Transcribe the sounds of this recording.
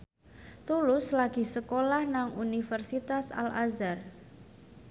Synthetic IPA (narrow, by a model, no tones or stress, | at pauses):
t̪ulʊslaɡ̥i̤səkolahnaŋunifərsit̪asa̰lazar